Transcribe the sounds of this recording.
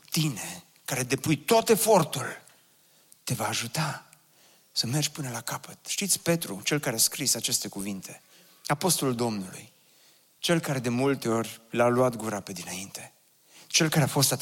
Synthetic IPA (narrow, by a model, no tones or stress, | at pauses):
t̪ine̞ | kaɾe̞d̪e̞pujt̪ot̪e̞fo̞rt̪ul | t̪e̞vaːʒut̪a | səme̞rd͡ʒʲpɨnəlakapət̪ʃt̪it̪sʲpe̞t̪ɾut͡ʃe̞lkaɾeaskɾisat͡ʃe̞st̪e̞kuvint̪ʰe̞ | apo̞st̪o̞luld̪o̞mnulṵj | t͡ʃe̞lkaɾe̞d̪e̞mult̪e̞o̞rʲlaluat̪ɡuɾape̞d̪inaint̪e̞ | t͡ʃe̞lkaɾe̞afo̞st̪a